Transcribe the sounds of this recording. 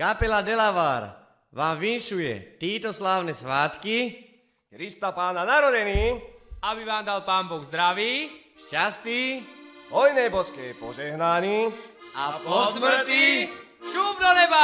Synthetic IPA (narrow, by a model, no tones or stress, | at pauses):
kapɛlad̪ɛlaʋaːɾ | ʋaːmʋinʃujɛ̰t̪iːt̪ɔslaːʊnɛsʋaːt̪ki | kɾist̪apaːnanaɾɔdɛniːabiʋaːmd̪alpaːmbɔɣzd̪ɾaʋiː | ʃcast̪iːɦɔjnɛːbɔskɛːpɔʒɛɦnaɲiapɔsmr̩t̪iː | ʃuːbnɔnɛba